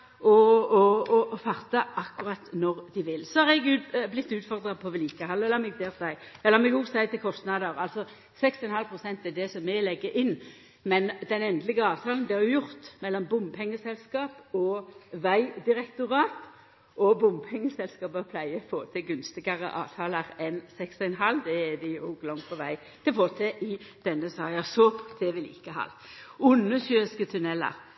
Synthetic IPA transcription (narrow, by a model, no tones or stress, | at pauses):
ʔɔɔɔfɑʁt̪ɑʔɑkːʊʁɑt̪nɔʁd̪ɪʋɪlsɔhɑʁɛɡʉblɪt̪ːʉːt̪fɔʁd̪ʁɑpʰɔʋɪliːkəhɑlɛlɑmɛɡd̪eːʁdæɪɛlːɑʁmɛɡuːɡsæɪt̪ʰɪlkʰɔst̪nɑd̪əʁɑlsɔ | sɛkst̪ɪɛnhɑlpʰʁʊsɛnt̪ɛd̪ɛsɔmːɛlɛɡːəʔɪnː | mɛnd̪ɛnɛnd̪lɪɡəɑːʋt̪ʰɑːln̩d̪ɪɑɾʊjʊʁt̪mɛlːɔmbʊmpʰɛŋːəsɛlskɑːpɔʋæɪd̪ɪɾɛkt̪ʊʁɑːt̪ | ʔɔbʊmpʰɛŋːəsɛlskɑːppʰlæɪəfoːt̪ʰɪɡʉnst̪ɪɡɑʁə̰ʔɑ̰ːʋt̪ʰɑːləʁɛnsɛksɪɛnɦɑlːd̪ɛːd̪ɪʊɡlɔŋt̪pʰɔʋæɪ | t̪ʰɪlfoːt̪ʰɛʔɪd̪̥ɛnːəsɑːjɑsɔpʰt̪ʰɛʋɪlɪ̰kːəɦɑ̰lʊnːəsyːɪskət̪ʰʉnɛlːə̰ʁ